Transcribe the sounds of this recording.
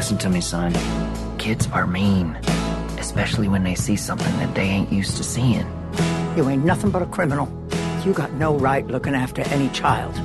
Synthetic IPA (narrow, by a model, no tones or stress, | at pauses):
ɪsn̩tʰɨmisʌ̃n | kʰɪdzə˞mĩn | ʔɨspɛʃl̩ˠiwɨ̃nðeɪsisʌ̃mθɪ̃ŋðɨ̰t̪̚ðeɪẽɪ̃nʔjʉstʰɨsiɪ̰̃n | jɨẽɪ̃nnʌθɪ̃ŋbʌɾəkʰɹ̥ɪ̃mənl̩ˠ | jɨɡɑtⁿnoʊɹaɪtˡlʊkɪ̃ŋæftə˞ʔɛnit͡ʃʰaɪlˠd̥